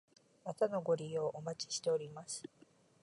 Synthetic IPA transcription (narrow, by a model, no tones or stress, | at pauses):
mat̪ano̞ɡo̞ɾʲio̞ʔomat͡ɕi̥ɕi̥t̪e̞oɾʲimasɨ̥